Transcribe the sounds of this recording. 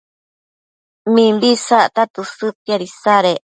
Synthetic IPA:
mĩmbisaʔt̪at̪usɨt̪iaɾisaɾeʔ

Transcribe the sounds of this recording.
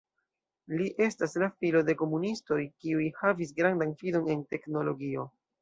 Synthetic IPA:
liʔe̞staslafilo̞de̞ko̞munisto̞jkiujhavisɡɾandanfilo̞ne̞nte̞kno̞lo̞ɡio̞

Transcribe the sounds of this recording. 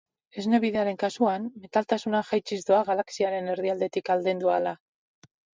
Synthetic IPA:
e̞zne̞βiðe̞aɾe̞ŋkasuanme̞t̪alt̪asunaʝajt͡ʃizd̪oaɣ̞alaksiaɾe̞ne̞ɾðiald̪e̞t̪ikald̪end̪uala

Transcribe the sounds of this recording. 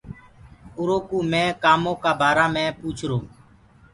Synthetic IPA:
ʊɾoːkuːmɛ̃ːkaːmõːkaːbaːɾaːmẽːpuːt͡ʃʰɾoː

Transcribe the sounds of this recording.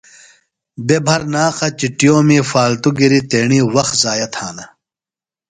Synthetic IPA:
bebʱɐɾnaːqɐt͡ɕiʈijõːmiːfaːlt̪uɡiɾit̪eːɳiːwɐxzaːjɐt̪ʰhaːnɐ

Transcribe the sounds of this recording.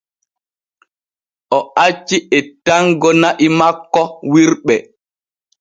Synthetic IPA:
ʔɔat͡ʃːiɛtaŋɡɔnaʔimakːɔwiɾɓɛ

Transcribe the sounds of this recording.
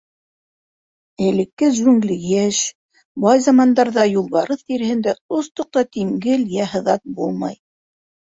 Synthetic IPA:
ɘ̆lɘ̆kːɘzʉŋɡlɘɡæʃ | bɑjzɑmɑnd̪ɑɾðɑjulˠβɑɾɤθt̪iɾɘ̆hɘ̆nd̪æost̪ŏq̚t̪ɑt̪iŋɡɘljæɦɤ̆ðɑt̪̚bulˠmɑ̰j

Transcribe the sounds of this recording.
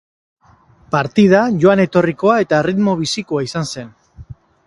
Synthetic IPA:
paɾt̪ið̞aʝo̞ane̞t̪o̞riko̞ae̞t̪aerit̪mo̞β̞isiko̞aisanse̞n

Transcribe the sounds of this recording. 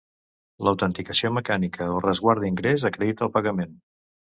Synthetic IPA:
ləwt̪ənt̪ikəsioməkanikəolˠrəzɣwaɾd̪iŋɡɾezəkɾeðit̪əlˠpəɣəmen

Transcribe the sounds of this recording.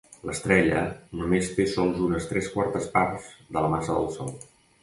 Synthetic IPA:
ləst̪ɾɛʎənumest̪esɔlˠzunəst̪ɾɛskwaɾt̪əsparz̥ðələmasəðə̰lˠsɔlˠ

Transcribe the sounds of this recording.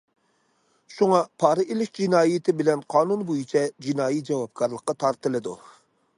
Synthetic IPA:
ʃuŋɑpʰɑːɾɨʔelɪʃd͡ʒinɑːjit̪ʰɪbɪlɛnqʰɑːnunbojit͡ʃʰɛd͡ʒinɑːjit̪̚d͡ʒɛwɑp̚kʰɑɾlˠəqːɑt̪ʰɑɾt̪ɨlˠɨd̪ṵ

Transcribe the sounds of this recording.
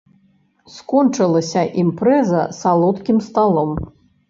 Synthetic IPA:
skɔnt͡ʂɨlˠɐsʲɐʔimpɾɛzɐsalˠɔt̪kʲimst̪alˠɔm

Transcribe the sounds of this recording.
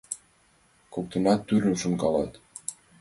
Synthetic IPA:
kok̚t̪ɤ̆nɑt̪ːyɾɘʃuŋkɑlˠɑ̰t̪

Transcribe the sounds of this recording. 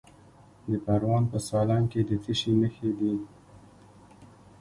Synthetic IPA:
d̪əpaɾwɑnpəsɑlɑnked̪əfiʃenəxed̪i

